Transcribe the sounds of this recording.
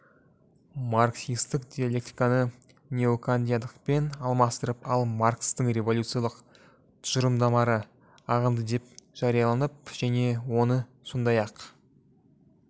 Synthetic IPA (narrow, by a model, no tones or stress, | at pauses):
maɾksʲijst̪əkd̪ʲijalʲe̞k̚t̪i̥kanə | nʲe̞okʰand̪ijad̪əqpe̞nɑlˠmɑst̪əɾəpɑlˠmarkst̪əɴrʲe̞vo̞lʲut̪sɨjalˠəq | t̪ʰʊ̥ʒəɾəmd̪ɑmɑɾə | ɑʁəmd̪əd̪e̞p̚ʒ̥ɑɾijɑlˠɑnəp̚ʒ̥æne̞wo̞nə | sond̪ɑjɑq